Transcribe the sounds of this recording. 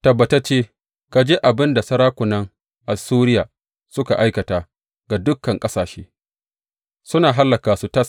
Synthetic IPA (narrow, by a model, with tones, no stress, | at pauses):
tɐ˨bːɐ˨ta˦t͡ʃeː˦ | ka˨d͡ʒeː˦ʔa˨bɪ˦nda˨sɐ˦ɾaː˦kʷʊ˨nɐ˦ŋ | ʔa˨suː˦ɾɪ˦jaː˨ | sʊ˦ka˨ʔa˦jkɐ˨taː˨ | ɡa˨dʊ˦kːɐ˨ŋkʼɐ˦saː˨ʃeː˦ | sʊ˦naː˨ɦa˦lːɐ˨kaː˨su˦tɐ˦s